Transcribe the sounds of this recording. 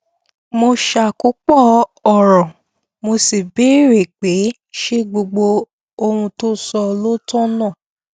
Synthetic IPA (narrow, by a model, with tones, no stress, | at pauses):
mo˧ʃa˧˨ku˨˦k͡pɔ˦˨ɔ˦˨ɾɔ̃˨ | mo˧si˨be˨˦ɾe˨k͡pe˨˦ | ʃe˦ɡ͡bo˧ɡ͡bo˧ | o˧hũ˧to˦sɔ˧lo˦tɔ̃˦nã˦˨